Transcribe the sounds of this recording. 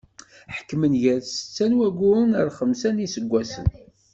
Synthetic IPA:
ħə̥kːmənʝæðsə̥t͡sːænwæɡʊnəɾχəmsænisəɡʷːæsə̰n

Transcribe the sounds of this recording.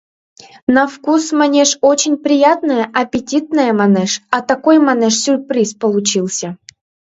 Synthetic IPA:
nɐfkusmanʲeʂot͡ɕɪnʲpɾʲɪjat̪nəjəʔɐpʲɪtʲit̪nəjəmanɛʂɐt̪ɐkojmanɛʂsʲʊrpɾʲispəlˠʊt͡ɕilˠsʲə

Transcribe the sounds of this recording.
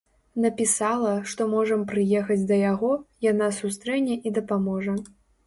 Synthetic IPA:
nɐpʲisalˠɐʂt̪ɔmɔʐɐmpɾɨjɛxɐd͡zʲd̪ɐjaɣɔjanasust̪ɾɛnʲːɛʔid̪ɐpamɔʐɐ

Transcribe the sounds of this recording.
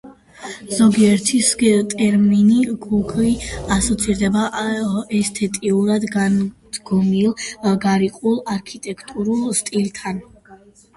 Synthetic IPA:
z̥ɔɡiɛɾt̪ʰist̪ʼɛɾminiɡuɡʰliasɔt̪sʰiɾd̪ɛbaʔɛst̪ʰɛt̪ʼiuɾad̪ɡand̪ɡ̥ɔmilˠɡaɾiqʼulˠaɾkʰit̪ʼɛkʰt̪ʼuɾulˠst̪ʼilt̪ʰan

